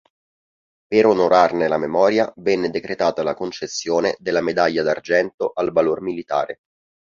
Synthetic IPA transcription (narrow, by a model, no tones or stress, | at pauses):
peɾonoɾʔarnelamemɔːɾjavɛnːed̪ekɾet̪aːt̪alakont͡ʃesːjoːned̪elːamed̪aʎːad̪ard͡ʒɛnt̪oʔalvalormilit̪a̰ːɾe